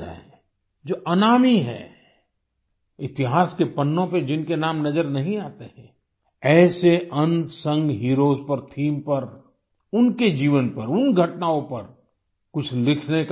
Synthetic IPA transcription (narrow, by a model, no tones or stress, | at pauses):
ɛ̰ | d͡ʒoːʔɐnaːmiɦɛ̰ː | ɪt̪ɪɦaːskepɐnːõped͡ʒɪnkenaːmnɐzəɾnɐɦĩaːt̪eɦɛ̃ː | ɛːseʔɐ̃nd̪sɐ̃ŋɡɦiːɾoːzpɐɾt̪ʰiːmpɐɾ | ʊnked͡ʒiːʋənpɐɾʊnɡʱɐʈnaːõpɐɾ | kʊt͡ʃʰlɪkʰnek